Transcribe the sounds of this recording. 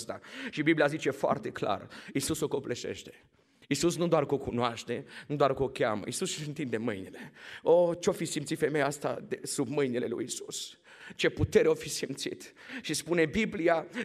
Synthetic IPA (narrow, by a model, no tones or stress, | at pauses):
st̪aʃibiblijazit͡ʃe̞foa̰rt̪e̞kla̰risusoko̞pleʃḛʃt̪e̞̥ | isusnud̪oarkokunoaʃt̪e̞nud̪oarkokʲa̰mə̰ʔisussɨnt̪ind̪e̞mɨjnile̞ot͡ʃeofisimt̪sit̪fe̞mejaast̪a̰d̪esubmɨjnile̞̰lṵjisus | t͡ʃe̞put̪eɾeofisimt̪sḭt̪ | ʃispune̞biblija